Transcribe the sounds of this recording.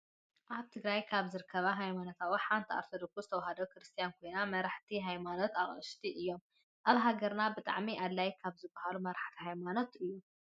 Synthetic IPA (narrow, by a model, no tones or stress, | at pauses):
ʔaβt̪ʰɨɡɾajkʰaβzɨɾɨkʰːɐβɐɦajmanot̪ʰawiħant̪ʰia̰ɾt̪ʰod̪oksuzɨt̪ʰɐwaɦɐd̪okɾɨst̪ʰijankʰojnamɐɾaħt̪ʰiɦajmano̞t̪aχʼɨ̰ʃt̪ʰiʔɨjːo̞m | ʔaβɦaɡɐɾnabɨt̪ʼa̰ʕmiʔalːajkʰaβzɨbːɐhalumɐɾaħt̪ʰiɦajmanot̪ɨjːu